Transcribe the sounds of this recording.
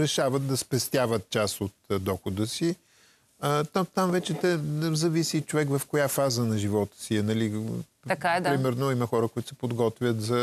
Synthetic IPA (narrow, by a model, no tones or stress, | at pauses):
ɾɛʃavət̪̚d̪ɐspɛst̪ʲjavət̪̚t͡ʃasot̪d̪ɔxod̪əsi | ət̪at̪amvɛt͡ʃɛt̪ɛzɐvisiːt͡ʃovɛkvɐfkojafazənɐʒivɔt̪ə̥siɛnɐli | ɐkad̪ɾimɛɾnoimɐxɔɾəkoʊit̪ʊ̥sɛ̥pod̪ɡɔt̪vʲjət̪zɐ